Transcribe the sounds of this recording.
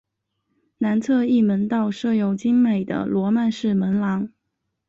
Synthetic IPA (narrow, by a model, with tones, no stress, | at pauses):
na˧˥nt͡s̪ʰɤ˥˧i˥˩mə˧˥nt̪ɑ˥˧ʊʂɤ˥˩jo˨˩ʊt͡ɕi˥ŋme˨˩ɪd̪ə̰˦lwɔ˧˥ma˥˧nʂɻ̩˥˩mə˧˥nlɑ˧˥ŋ